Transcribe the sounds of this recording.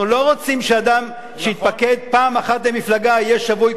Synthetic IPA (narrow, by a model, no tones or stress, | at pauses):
ulo̞ʁot͡simʃead̪am | ʃeit̪paked̪̚paːmaχat̪lemiflaɡaijeʃavuj